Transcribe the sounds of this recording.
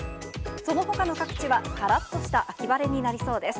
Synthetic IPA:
so̞no̞ɦo̞kano̞kakɯ̟̥t͡ɕiβakaɾat̪ːo̞ɕi̥t̪aʔakʲibaɾe̞ɲ̟inaɾʲiso̞ːd̪e̞sɨ̥

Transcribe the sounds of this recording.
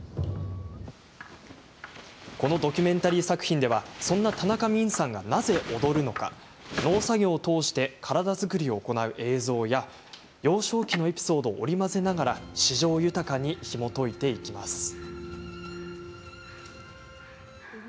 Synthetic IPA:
ko̞no̞d̪o̞kʲymẽ̞nt̪aɾʲiːsakɯ̟̥çĩnd̪e̞βasõ̞nːat̪anakamʲĩɰ̃sãŋɡa̰naze̞ʔo̞d̪o̞ɾɯ̟no̞ka̰ | no̞ːsaɡʲo̞ːt̪o̞ːɕi̥t̪e̞kʰaɾad̪azɨkɯ̟ɾʲio̞ːko̞naɯ̟ʔe̞ːzo̞ːja | jo̞ːɕo̞ːkʲino̞e̞pʲi̥so̞ːd̪o̞ːʔːɾʲimase̞naɡaɾaɕiʑo̞ːjɯ̟t̪akaɲ̟içimo̞t̪o̞it̪e̞ikʲima̰sɨ̥

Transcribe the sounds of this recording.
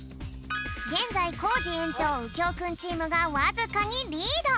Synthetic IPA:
ɡẽ̞nd͡zaikʰoːd͡ʑiẽnt͡ɕoːɯkʲoːkɯ̃nt͡ɕiːmɯ̟ɡawazɨkaɲ̟iɾʲid̪o

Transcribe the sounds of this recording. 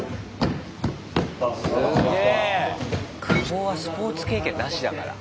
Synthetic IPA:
sɨɡɡee | kʰaoːβasɨ̥po̞ːt͡sɨ̥ke̞ːkʲẽ̞nːaɕid̪aka̰ɾa̰

